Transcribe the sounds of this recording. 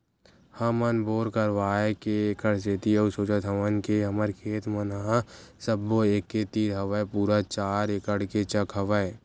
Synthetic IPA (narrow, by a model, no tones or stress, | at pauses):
hɐmɐnboːɾkəɾʋaːekeːkəɽset̪iɐusoːt͡ʃət̪ʰɐʋənkeɦɐməɾkʰeːt̪mɐnəɦãsɐbːoeːkːet̪iːɾɦɐʋəepuːɾat͡ʃaːɾekəɽket͡ʃɐkʰɦɐʋəe